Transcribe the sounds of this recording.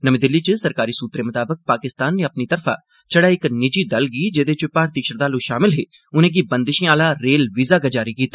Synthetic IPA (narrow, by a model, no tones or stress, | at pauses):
nəmẽːd̪ɪlːit͡ʃəsəɾkaːɾiːsuːt̪ɾeːmʊt̪aːbək̚paːkɪst̪aːnːeɐpnit̪əɾfʰa̰ː | t͡ʃəɽaːɪknɪd͡ʒiːd̪əlɡiːd͡ʒeːd̪et͡ʃʊpaːɾt̪iːʃəɾd̪aːluʃaːmɪlɦeː | ʊn̤ẽːk̬ibənd̪ɪʃĩaːlaːɾeːlʋizaːkad͡ʒaːɾikiːt̪aː